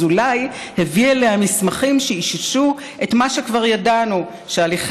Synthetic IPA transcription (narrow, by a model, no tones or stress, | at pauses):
ulaj | hevieleamismaχimʃeiʃiʃu | ʔe̞tmaʃe̞kvaʁjadanu | ʃealiχ